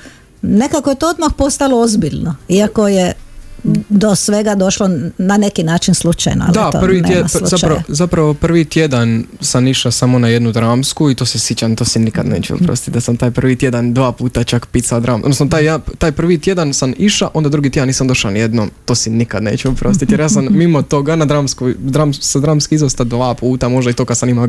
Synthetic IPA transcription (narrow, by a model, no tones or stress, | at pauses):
ne̞kakoje̞t̪ood̪maxpo̞st̪aloozbiʎnoiako̞je | d̪osʋe̞ɡad̪o̞ʃlonane̞kinaːt͡ʃinslut͡ʃa̰jno̰a̰ld̪at̪o̰prʋinejesluaɾazapɾaʋopr̩ʋit̪jed̪ansamiʃasamo̞najed̪nud̪ɾaːmskuit̪o̞ːsesjet͡ɕant̪oːsinikad̪ne̞̰ːt͡ɕɛ̰ṵpɾo̰st̪it̪d̪asamt̪aːjpr̩ʋit̪jed̪and̪ʋaːpuːt̪at͡ʃakpit̪sald̪ɾaːmʔod̪nosnot̪aːjjat̪aːjpr̩ʋit̪je̞d̪ansamiʃaʔo̞nd̪ad̪ɾuɡit̪jed̪aniːsamd̪o̞ʃanijed̪not̪oːsinikad̪neːt͡ɕɛupɾost̪it̪jeɾjaːsammimot̪o̞ɡanad̪ɾaːmskujd̪ɾamsad̪ɾaːmskiizost̪ad̪ʋaːpuːt̪amo̞ʒd̪ait̪okad̪samimal